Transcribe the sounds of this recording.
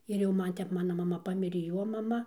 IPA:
ɪr jɛʊ ˈmɐn ˈtʲɛp ˈmɑːnɐ mɐˈmɐ ˈpɑːmʲɪrʲeː ˈjoː mɐˈmɐ

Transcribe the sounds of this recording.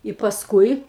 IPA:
ɪ pɐsˈkʊɪ

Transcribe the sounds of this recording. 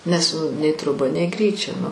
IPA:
nʲɛs nʊ nʲɛɪ troːˈbɐ nʲɛɪ ˈɡrʲiːt͡ʃʲɛ

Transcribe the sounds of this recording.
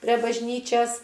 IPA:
pʲrʲɛ bɐʒʲˈnʲiːt͡ʃʲɛs

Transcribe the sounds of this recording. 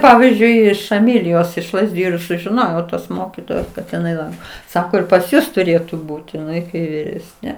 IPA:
ˈpɑːʋʲiːzʲd͡ʒʲʊɪ ɪʃ ɛˈmʲɪlʲɪjoːs ɪʃ lˠɐzʲˈdʲɪjʊ ɪr sʊʒʲɪˈnoːjɛʊ toːs ˈmoːkʲiːtoːjoːs kɐt ɪˈnɐɪ ˈlˠɐŋkoː ˈsɑːkoː ɪr pɐs ˈjʊs tʊˈrʲeːtʊ ˈbuːtʲɪ ɪˈnɐɪ kɐɪ ʋʲɪˈrʲæːsʲnʲɛ

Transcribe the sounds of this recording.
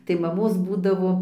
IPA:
tɐɪ mɐˈmoːs ˈbuːdɐʋoː

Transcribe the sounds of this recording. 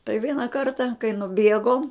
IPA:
tɐɪ ˈʋʲiɛnɐ ˈkɐrtɐ kɐɪ nʊˈbʲiɛɡoːm

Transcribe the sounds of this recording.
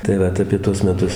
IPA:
tɐɪ ˈʋɐt ɐpʲiɛ ˈtuɔs mʲɛˈtʊs

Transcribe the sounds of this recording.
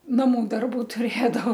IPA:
nɐˈmʊ ˈdɐrbʊ tʊˈrʲeːdɐʋoː

